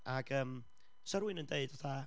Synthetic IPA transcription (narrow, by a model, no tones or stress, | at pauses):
aɡ̥əːm | səɾwɪnəndeɨd̥ɔθa